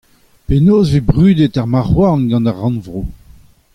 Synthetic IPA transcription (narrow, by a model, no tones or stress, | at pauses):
penoːzvebʁyːd̪etaʁmaʁwaʁnɡɑ̃naʁːɑ̃nvʁo